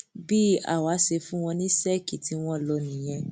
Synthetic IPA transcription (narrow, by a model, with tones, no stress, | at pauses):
bi˦a̰˨wa˨˦se˧fũ˦w̃ɔ̃˧nĩ˦sɛ˦ki˨tʰi˨˦w̃ɔ̃˦lɔ˧nĩ˨j̃ɛ̃˧